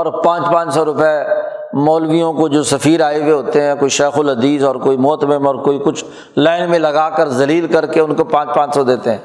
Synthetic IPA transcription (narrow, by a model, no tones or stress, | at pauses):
ɔːɾpãːt͡ʃpãːt͡ʃsɔːɾʊpɛ | mɔːlʋijõkod͡ʒoːsəfiːɾaːeweɦoːt̪eɦɛ̃ːkoːiʃɛːxʊlɦɐd̪iːzɔːɾkoːimʊːt̪əbəmɔːɾkoːikʊt͡ʃʰ | laːɪnmẽlɐɡaːkəɾzɐliːlkɐɾkeʊnkopãːt͡ʃpãːt͡ʃsɔd̪eːt̪eɦɛ̃ː